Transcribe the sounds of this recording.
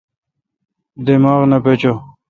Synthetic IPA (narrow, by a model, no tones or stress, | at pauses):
d̪emaːʁnɐpet͡ɕo